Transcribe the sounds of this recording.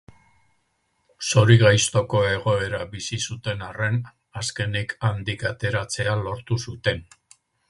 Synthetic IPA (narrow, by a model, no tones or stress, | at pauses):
so̞ɾiɣajst̪o̞ko̞e̞ɣ̞o̞e̞ɾabisisut̪e̞nare̞n | aske̞nikand̪ikat̪e̞ɾat͡se̞alo̞ɾt̪usut̪e̞n